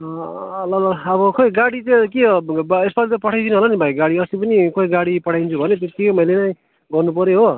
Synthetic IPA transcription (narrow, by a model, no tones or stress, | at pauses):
lʌlʌːbʌkoiɡaɽit͡sãkeɦobesbalit̪ʌpʌʈʰajd̪inuɦʌlanibʱajɡaɽiʌsipʌnikoiɡaɽipʌʈʰajnt͡sʰubʱʌnet̪ot̪imʌjlenʌj̃ | ɡʌrnupʌɾeɦo